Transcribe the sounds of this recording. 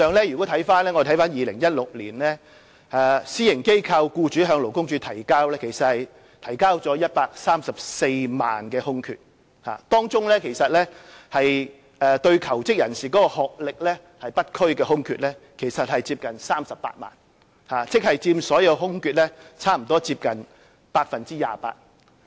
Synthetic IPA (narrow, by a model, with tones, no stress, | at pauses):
œː˨˧ŋlɛː˥jyː˨˩kɔː˨˥t̪ʰɐ˨˥jfaː˥nlɛː˥ŋɔ˨˧t̪ʰɐ˨˥jfaː˥njiː˨˧lɪ̰˨˩ŋjɐ˥t̚lʊ˨k̚liː˨˩nlɛː˥ | ɛː˨˩siː˥jɪ˨˩ŋke˥jkʰɐ˧wkuː˧t͡ʃyː˨˥ɦœː˨˧ŋlo˨˩wkʊ˥ŋt͡ʃyː˨˥t̪ʰɐ˨˩jkaː˥wlɛː˥kʰe˨˩jsɐ˨t̚hɐ˨j | t̪ʰɐ˨˩jkaː˥wt͡sɔː˨˥jɐ˥t̚paː˧k̚saː˥msɐ˨p̚se˧jma̰ː˨nkɛː˧hʊ˥ŋkʰy̰ː˨˧t̚ | ha̰ː˨t̪ɔː˥ŋt͡sʊ˥ŋlɛː˥kʰe˨˩jsɐ˨t̚lɛː˥hɐ˨j | ɛː˨˧t̪ɵ˧ɥkʰɐ˨˩wt͡sɪ˥k̚jɐ˨˩nsiː˨kɔː˨˥kɔː˧hɔː˨k̚lɪ˨k̚lɛ˥ | hɐ˨jpɐ˥t̚kʰɵ˥ɥkɛː˧ɦʊ˥ŋkʰyː˨t̚lɛ˥kʰe˨˩jsɐ˨t̚hɐ˨jt͡siː˧p̚kɐ˨nsaː˥msɐ˨pːa̰ː˧t̚ma̰ː˨n | haː˨t͡sɪ˥k̚hɐ˨jt͡siː˧msɔː˨˥jɐ˨˧wɦʊ˥ŋkyː˨t̚lɛ˥t͡sʰaː˥m̩˨˩t̪ɔː˥t͡siː˧p̚kɐ˨n | paː˧k̚fɐ˨nt͡siː˥ja̰ː˨pa̰ː˧t̚